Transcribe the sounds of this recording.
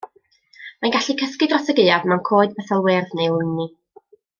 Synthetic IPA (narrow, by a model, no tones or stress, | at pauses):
manɡaɬikʰəskɨdrɔsəɡɨadmankʰoːɨdbɛθalˠweːrðnejlˠʊni